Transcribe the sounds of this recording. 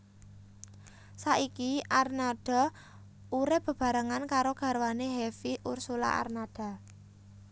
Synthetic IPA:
saʔikiʔarnad̥ɔ̤ | uɾɪb̥ə̤b̥ä̤ɾəŋankaɾoɡ̥a̤ɾwaneɦefiʔursula̰ʔa̰rnad̥a̤

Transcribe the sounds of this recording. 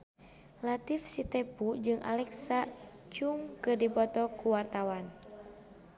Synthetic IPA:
lat̪ifsit̪ɛpud͡ʒɨŋʔa̰lɛksat͡ʃuŋkɨrdipɔt̪ɔkuwart̪awan

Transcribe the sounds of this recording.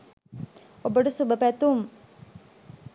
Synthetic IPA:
obəɖusubəpæt̪um

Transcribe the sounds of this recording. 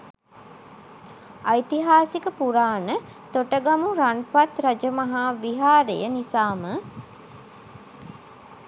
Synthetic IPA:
ajt̪iɦaːsikəpuɾaːnə | t̪oʈəɡamuɾaɳpat̪ɾad͡ʒəmaɦaːʋiɦaːɾejənisaːmə

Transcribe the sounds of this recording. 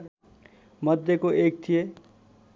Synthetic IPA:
mʌd̪ʱjekoʔeːk̚t̪ʰije

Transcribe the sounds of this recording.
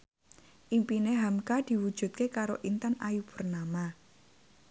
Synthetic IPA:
ʔimpineɦamkad̪̥i̤wud̥ʒ̥ṳt̪̚kekaɾo̰ʔint̪anajub̥ṳrnama

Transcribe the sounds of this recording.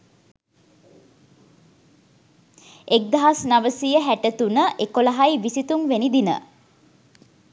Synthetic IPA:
ek̚d̪aɦasnaʋəsijəɦæʈət̪unəʔekolaɦajʋisit̪umʋenid̪inə̰

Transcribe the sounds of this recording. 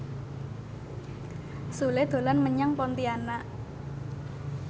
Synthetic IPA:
suled̪̥o̤lanməɲaŋpɔnt̪iana

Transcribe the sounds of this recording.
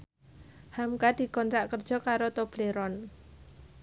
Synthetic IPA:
hamkad̪̥i̤kɔnt̪ɾaʔkərd̥ʒ̥ɔ̤kaɾot̪ob̥leɾɔn

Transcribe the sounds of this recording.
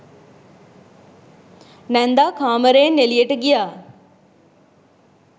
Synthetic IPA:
nɛnd̪aːkʰaːməɾeːnelijəʈəɡijaː

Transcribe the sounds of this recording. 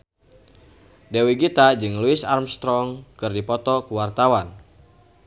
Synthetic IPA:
dewiɡit̪ad͡ʒɨŋluɪsarmst̪ɾɔŋkɨrdipɔt̪ɔkuwart̪awan

